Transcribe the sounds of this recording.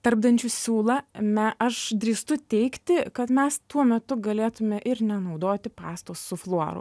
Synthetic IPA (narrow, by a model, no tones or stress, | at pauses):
t̪ɐɾb̚d̪ɐnʲt͡ʃʲuːsʲuːlˠɐmʲɛʔɐʃd̪ʲɾʲiːst̪ʊt̪ʲɛɪkt̪ʲɪkɐt̪mʲɛst̪uɔmʲɛt̪ʊɡɐlʲeːt̪ʊmʲɛʔɪɾnʲɛnɐʊd̪oːt̪ʲɪpɑːst̪oːsːʊflˠoɔɾʊ̰